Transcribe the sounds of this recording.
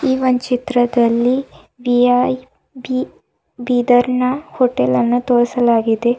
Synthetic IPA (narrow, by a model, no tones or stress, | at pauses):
iːʋɐɲt͡ʃit̪ɾɐd̪ɐlːi | ʋiaj | bi | biːd̪ɐɾɳɐhoːʈelɐnːut̪oːɾɐsɐlaːɡid̪e